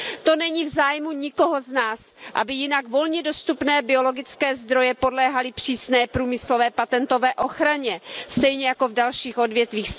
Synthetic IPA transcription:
t̪o̞nɛɲivzaːjmuɲɪko̞ɦo̞znaːs | ʔa̰bɪjɪnaɡvo̞lɲɛdo̞st̪upnɛːbɪo̞lo̞ɡɪt͡skɛːzd̪ɾo̞jɛpo̞dlɛːɦalɪpr̝̥iːsnɛːpɾuːmɪslovɛːpat̪ɛnt̪o̞vɛːʔo̞xɾaɲɛst̪ɛjɲɛjako̞vdalʃiːxʔo̞dvjɛt̪viːx

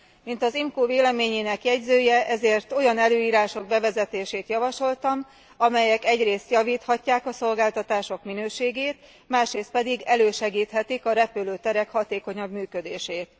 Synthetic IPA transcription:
mint̪ɒzimkoːveːlɛmeːɲeːnɛkjɛɟzøːjɛʔɛzeːrt̪o̞jɒnɛløːiːɾaːʃo̞ɡ̚bɛvɛzɛt̪eːʃeːt̪jɒvɒʃo̞lt̪ɒm | ɒmɛjɛkɛɟreːst̪jɒviːt̪hɒcːaːkɒso̞lɡaːlt̪ɒt̪aːʃo̞kminøːʃeːɡeːt̪ | maːʃɾeːst̪pɛd̪iɡɛløːʃɛɡiːt̪hɛt̪ikɒɾɛpyløːt̪ɛɾɛkhɒt̪eːko̞ɲɒbmyːkød̪eːʃeːt̪

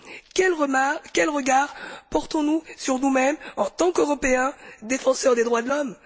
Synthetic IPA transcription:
kɛlʁkʲɛlʁəɡaʁpɔʁt̪ɔ̃nusyʁnumɛmɑ̃t̪ɑ̃køʁɔpeɛ̃d̪efɑ̃sœʁd̪ed̪ʁwad̪əlɔm

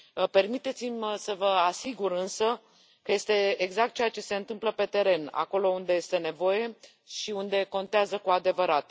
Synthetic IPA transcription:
pe̞rmit̪e̞t̪simʲsəvəasiɡuɾɨnsə | kəje̞st̪e̞eɡzak̚t̪̚t͡ʃejat͡ʃe̞se̞ɨnt̪ɨmpləpe̞t̪e̞ɾe̞na̰ko̞lo̞und̪e̞je̞st̪e̞ne̞vo̞je̞ | ʃiund̪e̞ko̞nt̪eazəkuad̪e̞vəɾat̪

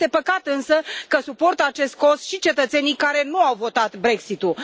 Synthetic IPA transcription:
t̪e̞pəkat̪ɨnsəkəsupo̞rt̪əat͡ʃe̞st̪̚ko̞sʃit͡ʃe̞t̪ət̪se̞nijkaɾe̞nuawvo̞t̪at̪bɾe̞ksit̪u

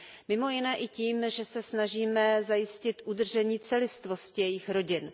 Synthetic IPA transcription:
mɪmo̞jɪnɛːʔɪciːmʒɛsɛsnaʒiːmɛzajɪscɪt̪ʔudr̩ʒɛɲiːt͡sɛlɪst̪vo̞scɪjɛjɪxɾo̞ɟɪn

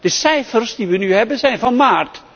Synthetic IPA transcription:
d̥əsɛjfərsdiʋənyɦɛbənzɛjnfɑnmaːrt

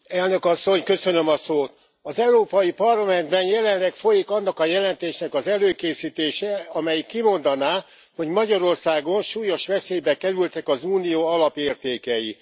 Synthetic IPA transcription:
ɛlnø̞kɒsːo̞ɲkø̞sønø̞mɒsoːt̪ | ɒzɛuɾoːpɒjipɒrlɒmɛnd̪bɛnjɛlɛllːɛkfo̞jikɒnːɒkɒjɛlɛnt̪eːʃnɛkɒzɛløːkeːsiːt̪eːʃɛɒmɛjikːimo̞nd̪ɒnaː | ho̞ɟmɒɟɒɾo̞rsaːɡo̞nʃuːjo̞ʃʋɛseːjbɛkɛɾylt̪ɛkɒzuːnijoːɒlɒpeːrt̪eːkɛji

